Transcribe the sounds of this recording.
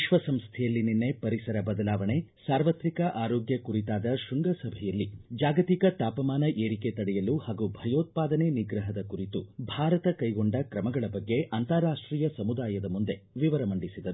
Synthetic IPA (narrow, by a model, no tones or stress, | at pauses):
iʃʋɐsɐmst̪ʰɛjɐlːininːe̞pɐɾisɐɾɐbɐd̪ɐlaːʋɐɳe̞saːɾʋɐt̪ɾikɐʔaːɾoːɡjɐkuɾit̪aːd̪ɐʃuŋɡɐsɐbʱɛjɐlːid͡ʒaːɡɐt̪ikɐt̪aːpɐmaːnɐʔeːɾike̞t̪ɐɽɛjɐluhaːɡubʱɐjoːt̪̚paːd̪ɐneniɡɾɐɦɐd̪ɐkuɾit̪ubʱaːɾɐt̪ɐkɐjɡoɳɖɐkɾɐmɐɡɐɭɐbɐɡːe̞ʔɐnt̪ɐɾaːʂʈɾiːjɐsɐmud̪aːjɐd̪ɐmund̪e̞ʋiʋɐɾɐmɐɳɖisid̪ɐɾu